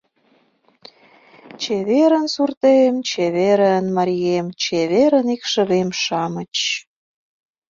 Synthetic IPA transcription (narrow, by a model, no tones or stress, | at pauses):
t͡ɕeβeɾənsurt̪emt͡ɕeβeɾənmɑɾʲijemt͡ɕeβeɾənikʃə̆βemʃɑmət͡ɕ